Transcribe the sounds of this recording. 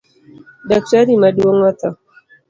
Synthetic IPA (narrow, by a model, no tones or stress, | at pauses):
dak̚taɾimaduwɔŋwat̪a